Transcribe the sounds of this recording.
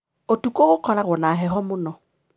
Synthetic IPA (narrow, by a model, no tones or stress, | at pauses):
otʼukʼoɣʊq͡χʰɔlaɣʊnaɦɛɦɔmʊnɔ